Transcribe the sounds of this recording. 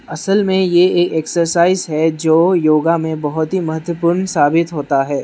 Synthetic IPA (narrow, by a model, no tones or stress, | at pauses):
ɐsəlmẽjeeːkeksəɾsaːɪzɦɛd͡ʒoːjoːɡamẽbɐɦʊt̪ɦimɐɦət̪wəpʊːɾnsaːbɪt̪ɦoːt̪aɦɛː